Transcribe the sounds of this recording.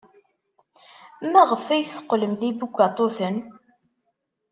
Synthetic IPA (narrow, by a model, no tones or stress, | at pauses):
mæʁəfæjθə̥qːləmðibuɡʷɑt̪ˤoθən